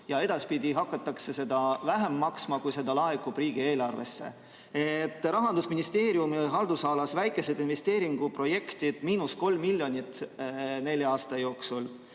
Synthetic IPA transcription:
jɑe̞d̪̥ɑspid̪̥ʲiɦɑkːˑɑt̪ːˑɑkse̞se̞d̪̥ɑvæɦemːɑksmɑkujse̞d̪ɑlɑɦekːub̥riːɡ̥ie̞ːlɑrve̞̰sːe̞̰ | et̪ˑːɾɑɦɑnd̪usminist̪e̞ːɾjumiɦɑld̪usɑːlɑsvæjkːˑe̞se̞d̪inve̞st̪e̞ːɾiŋɡ̥upro̞je̞kt̪id̪̥miːnusko̞lmːilʲjo̞nʲit̪ne̞lʲjɑɑːst̪ɑjo̞ːksul

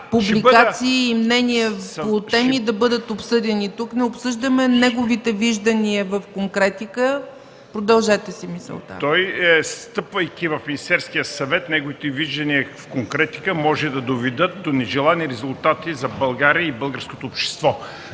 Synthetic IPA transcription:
publiat̪siːmnɛniəot̪ɛmid̪ɐbɤd̪ət̪opsɤd̪ɛnit̪uknɛʊpsɤʒd̪ɐmɛnɛɡovit̪ɛviʒd̪ɐniəvɐfkoŋkɾɛt̪ikə | pɾod̪ɐlˠʒɛt̪ɛsimisɛ̰lˠt̪a̰t̪ɔjst̪ɤpvɐjk̟ʲivɐfminʲist̪ɛɾskijəsɐvɛt̪nɛɡovit̪ɛviʒd̪ɐniəfkoŋkɾɛt̪i̥kəmɔʒɛd̪ɐd̪ovɛd̪ət̪̚d̪onɛʒɛlˠaniɾɛzulˠt̪at̪izɐbɐlˠɡaɾiəibɤlˠɡəɾskot̪oːpʃt̪ɛ̥st̪vɔ

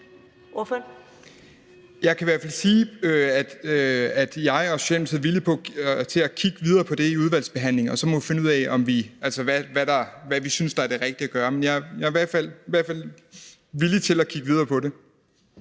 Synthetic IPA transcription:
ʔofø | jɑ̈ɪkʰæiʋæɐfæl̰siːøæd̥øæd̥jɑ̈ɪɒsɕelm̩sʰeð̩ˠʋilipʰɒ̽t͡sʰe̝ækʰiɡ̥əʋið̞ˠɐːpʰɒ̽d̥e̝iuð̞ˠʋæl̰sb̥e̝ɦæn̰le̝ŋɒ̽sɒ̽mɒ̽ʋife̝nəuð̰ˠɛɪʔɒ̽mʋiælsəʋæʋæɾ̥ɑ̈ʋæʋisynsd̥ɑ̈ɐdeʁɛɡ̥̚d̥iæɡ̥ɶːɐmenjɑ̈jɑ̈iʋæɐd̥fæl̰iʋæɐ̰̥fæl̰ | ʋilit͡sʰe̝lækʰiɡ̥ʋið̞ˠɐːpʰɒ̽ɾe̝

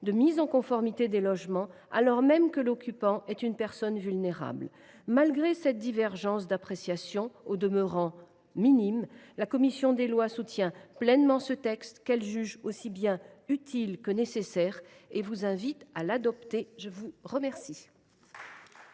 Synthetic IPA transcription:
d̪əmizɑ̃kɔ̃fɔʁmit̪ed̪elɔʒmɑ̃ | a̰lɔʁmɛmkəlɔkʲypɑ̃ʔɛt̪ynpɛʁsɔnvylneʁa̰bl | malɡʁesɛt̪̚d̪ivɛʁʒɑ̃sd̪apχesjasjɔ̃od̪əməʁɑ̃ | minimlakɔmisjɔ̃d̪elwasut̪jɛ̃plɛnmɑ̃sət̪ɛkst̪kɛlʒyʒosibjɛ̃yt̪ʰilkənesesɛʁevuzɛ̃vit̪alad̪ɔpt̪eʒəvuʁəmɛʁsi

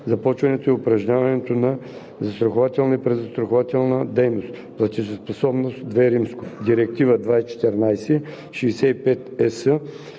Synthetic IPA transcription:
zɐpɔt͡ʃvɐnɛt̪oiʊpɾɐʒɲavɐnɛt̪onɐ | zɐst̪ɾɐxʊvat̪ɛlˠnəipɾɛzɐst̪ɾɐxovat̪ɛlˠnəd̪ɛjnost̪ | plˠɐt̪ʲizospɐsɔbnost̪d̪vɛɾimsko̥d̪iɾɛk̚t̪ivəd̪vait͡ʃɛ̥t̪ɛɾnajsɛ | ʃiːsɛipɛt̪ɛsə

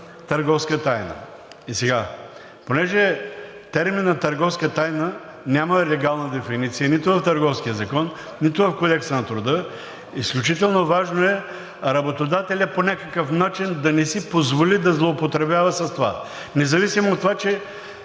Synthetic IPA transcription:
t̪ɐɾɡɔfskət̪ajnə̰ | isɛɡa | ponɛʒɛ | t̪ɛɾminːɐt̪ɐɾɡɔfskət̪ajnə | nʲaməlɛɡalˠnəd̪ɛfinit̪sijənit̪ʊvɐft̪ɐɾɡɔfsk̟ijəzɐkɔnː | it̪ʊvɐfkod̪ɛkst̪ənɐt̪ɾʊd̪ə | isklʲut͡ʃit̪ɛlˠnovaʒnoɛ | ɾɐbot̪od̪at̪ɛlʲəponʲakəkəfnat͡ʃind̪ɐnɛsipozvolid̪ɐzlˠoːpot̪ɾɛbʲavəsɐst̪ova̰ | nɛzɐvisimoot̪ːovat͡ʃɛ

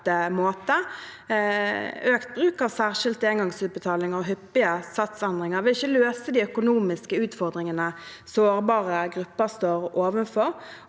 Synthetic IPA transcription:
əmoːt̪ə | øːkt̪̚bʁʉːkɑːʋsæːʁʂɪlt̪eŋɡɑŋsʉːt̪̚bət̪ʰɑːlɪŋəʁɔɦʏpːɪəsɑt̪sɛnd̪ʁɪŋəʁʋɪlɪçːəløːsəd̪iːœkʊnuːmɪskəʉːt̪fɔʁd̪ʁɪŋənəsoːʁbɑːʁəɡʁʉpːəʁst̪oːɾoːʋənfɔɾ

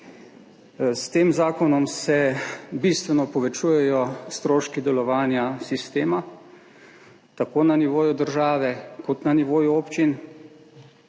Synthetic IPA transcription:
st̪eːmzaːkɔnɔmsɛbist̪ʋɛnɔpɔʋɛt͡ʃuːjɛjɔst̪ɾoːʃkid̪ɛlɔʋaːnjasist̪eːma | t̪akoːnaniʋoːjud̪əɾʒaːʋɛkɔt̪naniʋoːjuoːpt͡ʃin

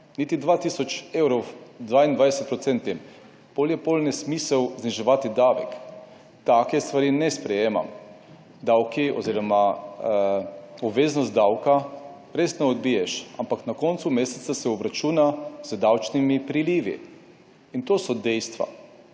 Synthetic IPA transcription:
nit̪id̪ʋat̪isɔt͡ʃewɾɔwd̪ʋaːind̪vʋajd̪esɛt̪̚pɾɔt̪sɛnt̪ʲim | poljɛpolnɛsmisɛwzniʒɛʋaːt̪id̪aʋɛ̰k | t̪akɛst̪ʋaɾiːnɛspɾɛjeːma̰m | d̪awkiɔ̰ziːɾɔma | ɔbʋeːznɔst̪̚d̪awka | ɾeːst̪nɛɔd̪̚biːjɛʃampaknakɔnt̪sumeːsɛ̥t̪sasɛɔbɾat͡ʃuːnazəd̪awt͡ʃnimipɾiliːʋḭ | int̪oːsɔd̪ɛjst̪ʋa̰

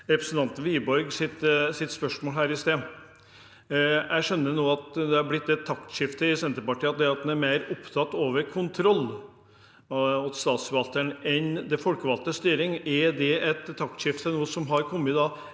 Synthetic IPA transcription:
ɾɛpɾəsn̩t̪ɑnt̪n̩ʋiːbɔɾɡsɪt̪sɪt̪spœʂmoːlɦæːɾɪst̪eː | jæɪʂœnːənoːɑt̪d̪ɛhɑɾblɪt̪ːɛt̪ʰːɑkt̪ʂɪft̪əɪsɛnt̪əɾpɑʈʰiːəɑt̪̚d̪ɛɑt̪̚d̪ɛnæɾmeɪɾʊpt̪ʰɑt̪ːoːʋəɾkʰʊnt̪ʰɾɔlː | ɑt̪st̪ɑːt̪səʋɑlt̪əɳɛnd̪ɛfɔlkəʋɑlt̪əst̪yːɾɪŋɛɾd̪ɛʔɛt̪ʰːɑk̚t̪ʂɪft̪ʰənuːəsɔmɦɑɾkʰɔmːət̪d̪ɑː

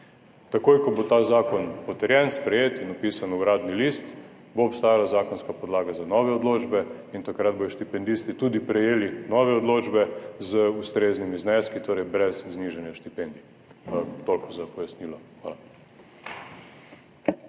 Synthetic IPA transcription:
t̪akoːjkɔbot̪azaːkɔnpɔt̪ɛɾjɛnspɾɛjeːt̪inɔpiːsanuɡɾaːd̪nilist̪ | boːpst̪aːjalazaːkɔnskapɔd̪laːɡazanɔʋɛod̪loːd͡ʒbɛ | int̪akɾad̪̚bojɔʃt̪ipɛnd̪ist̪it̪uːd̪ipɾɛjeːlinɔʋɛɔd̪loːd͡ʒbɛzəust̪ɾeːznimiznɛskit̪oːɾɛjbɾɛzzniʒɛnjaʃt̪ipend̪i | t̪olkɔzapɔjasniːlɔxʋa̰ːla

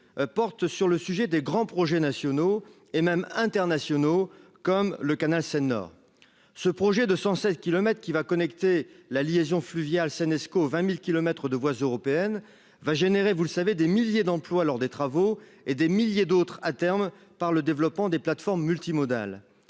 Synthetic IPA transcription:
pɔʁt̪syʁləsyʒɛd̪eɡʁɑ̃pχɔʒɛnasjɔno | emɛmɛ̃t̪ɛʁnasjɔno | kɔmləkanalsɛnɔ̰ːʁ | səpχɔʒɛd̪əsɑ̃sɛt̪̚kʲilɔmɛt̪χkʲivakɔnɛkt̪elaliezjɔ̃flyvjalsɛnɛskovɛ̃milkʲilɔmɛt̪χəd̪əvwazøʁɔpeɛn | vaʒeneʁevuləsaved̪emiljed̪ɑ̃plwalɔʁd̪et̪χavo | ed̪emiljed̪ot̪χat̪ɛʁm | paʁləd̪evlɔpmɑ̃d̪eplat̪fɔʁmːylt̪imɔd̪a̰l

